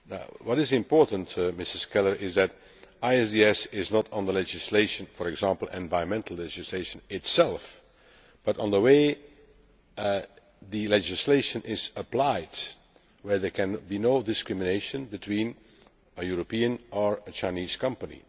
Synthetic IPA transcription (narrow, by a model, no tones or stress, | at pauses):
na̰ʊwɔɾɪzɪ̃mpɔɹtə̃n̩tmɪsəskɛlˠə˞ʔɪzðæt | aɪɛsdiɛsɪznɔtndəlɛd͡ʒɪsleɪʃə̃nfɔɹɛɡzãmpl̩ˠɛ̃nvaɪə̃nmɛ̃ntʰəl̩ˠlɛd͡ʒɪsleɪʃə̃nɪtsɛlˠf | b̥ʌɾ̃ndəweɪ | ðɨlɛd͡ʒɪsleɪʃə̃nʔɪzəplaɪd | wɛɹðɛ˞kʰɛ̃nbinoʊdɪskɹɪmɨneɪʃə̃nbɨtʰwĩn | əjuɹopiə̃nəɹət͡ʃãɪ̃niːz̥kʰʌ̃mpənḭ